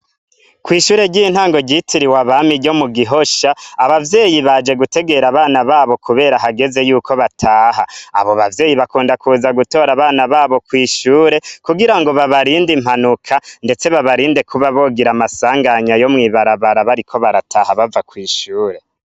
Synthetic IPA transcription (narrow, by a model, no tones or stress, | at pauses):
kwiːʃuːɾe̞ɟin̥haːŋɡo̞ɟitʰiɾiwaβamiɟo̞muɡiɦo̞ʃaːβavje̞ːjiβad͡ʒe̞ɡute̞ɡe̞ɾaβaːnaβaːβo̞kʰuβe̞ːɾaɦaɡe̞ze̞juːkʰo̞βatʰaːha̰ːβoβavje̞ːjiβakuːndakʰuːzaɡuto̞ːɾaβaːnaβaːβo̞kwiːʃuːɾe̞kuɡiɾaŋɡo̞βaβaɾiːndim̥anukʰande̞t͡se̞βaβaɾiːnde̞kʰuβaβo̞ːɡiɾamasaːŋɡaɲajo̞mŋiːβaɾaβaɾaβaɾikʰo̞βaɾatʰaːhaβavakwiːʃuːɾe̞